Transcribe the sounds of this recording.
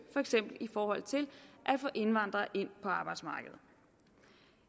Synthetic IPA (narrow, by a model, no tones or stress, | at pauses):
fɒ̽eɡ̥sem̰b̥l̩ifɒːhɒ̽l̰t͡sʰe̝lʔæ̥fɔ̽ːʔe̝nʋɑ̈n̰d̥ʁɐʔe̝n̰pʰɒ̽ɑ̈ːb̥ɑ̈ɪd̥smɑ̈ːɡ̥əð̩ˠ